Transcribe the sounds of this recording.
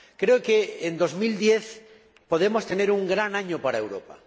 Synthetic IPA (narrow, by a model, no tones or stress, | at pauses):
kɾeokeːnd̪ozmild̪jeθ | poð̞emost̪eneɾuŋɡɾanaɲopaɾaewɾopa̰